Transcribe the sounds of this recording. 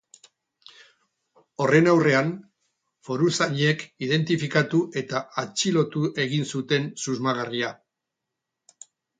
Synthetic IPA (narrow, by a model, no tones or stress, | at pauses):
o̞re̞nawre̞an | fo̞ɾusaɲe̞kiðe̞nt̪ifikat̪uʔe̞t̪aat͡ʃilo̞t̪uʔe̞ɣinsut̪e̞nsuzmaɣ̞aria